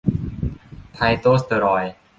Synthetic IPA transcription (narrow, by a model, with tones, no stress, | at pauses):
t̪ʰa˧jt̪oː˥˩sd̪ə˨˧ɾɔː˧j